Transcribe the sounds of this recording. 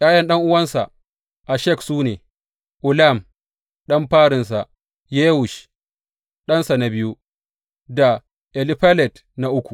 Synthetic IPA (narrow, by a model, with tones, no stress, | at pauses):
jaː˦jɐ˦nɗɐ˦ŋʔʊ˦wɐ˦nsa̰˨ | ʔa˨ʃɛ˦˨ksuː˦neː˨ | ʔʊ˨la˦˨m | ɗɐ˦mɸaː˦ɽɪ˨ns̬a˨ | jeː˦wʊ˨ʃ | ɗɐ˦nsa˨na˨bɪ˦ju˦ | da˨ | ʔɛ˨lɪ˦ɸa˦lɛ˨t | na˨ʔʊ˦kʷu˨